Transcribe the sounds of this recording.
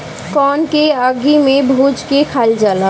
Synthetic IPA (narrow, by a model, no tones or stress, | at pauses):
kɔːnkeəɡimẽbʱuːd͡ʒkekʰaːld͡ʒaːla